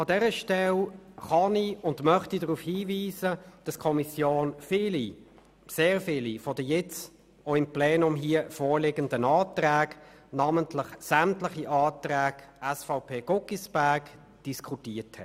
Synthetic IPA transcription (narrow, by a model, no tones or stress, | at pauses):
ɑdɛʁəʃtɛlχɑniʊndmœχtidəʁuːfhiːviːzəd̥ɑskʰɔmisjoːnfɪːli | seːʁfɪːlifɔd̥əjɛt͡s | oɪmplɛːnʊmɦiəfɔːɾlɪɡəndənɑːtʁæːɡ | nɑːməntlɪχsæmtləχiʔɑːtʁæːɡ̥ɛsfaʊpʰeːɡ̥ʊkisb̥æɐɡ | d̥iskʰutiːɐthɛt